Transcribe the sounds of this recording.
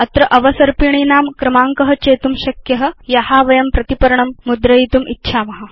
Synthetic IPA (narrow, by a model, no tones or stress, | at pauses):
ɐt̪ɾɐʔɐʋɐsɐɾpiɳ̃iːnaːmkɾɐmaːŋkɐɦɐt͡ʃeːt̪umɕɐkjɐɦɐ̆jɐhaːʋɐjɐmpɾɐt̪ipɐɾɳɐmːud̪ɾɐjit̪umʔitːʃʰaːmɐɦɐ